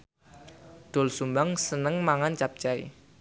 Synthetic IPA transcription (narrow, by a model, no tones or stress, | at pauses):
d̪̥o̤lsumbaŋsənəŋmaŋant͡ʃap̚t͡ʃaḭ